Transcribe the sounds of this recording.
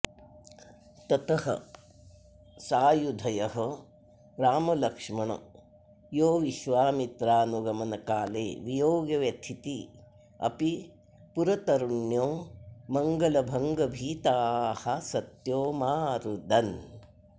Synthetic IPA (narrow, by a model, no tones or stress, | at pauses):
t̪ɐt̪ɐhɐ̰ | saːjud̪ʱɐjɐɦɐ | ɾaːmɐlɐkʂmɐɳɐ̰ | joːʋiʃʋaːmit̪ɾaːnuɡɐmɐnɐkaːlḛːʋijoːɡjɐʋjɐt̪ʰit̪i | ɐ̰pi | puɾɐt̪ɐɾuɳjoːmɐŋɡɐlɐbʱɐŋɡɐbʱiːt̪aːhɐsɐt̪joːmaːɾud̪ʱɐn